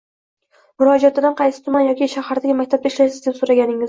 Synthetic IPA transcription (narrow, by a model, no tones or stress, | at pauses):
mʊɾɒd͡ʒat̪ɪd̪anqʰɑjsɪ̥t̪ʰʊmanjɒkʲiʃahaɾd̪aɡʲɪmakʲt̪ʰap̚t̪aɪʃlajsɪzd̪e̞psoɾaɡʲanɪŋɪz